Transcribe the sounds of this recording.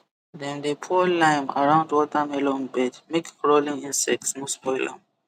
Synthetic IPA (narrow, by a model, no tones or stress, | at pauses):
dɛ̃ndepʰɔlãjma̰ɹãʊ̃ndwɔtʰamɛlɔ̃nbɛdmekɹolĩŋĩnsɛk̚tsmuspʰɔjlã̰m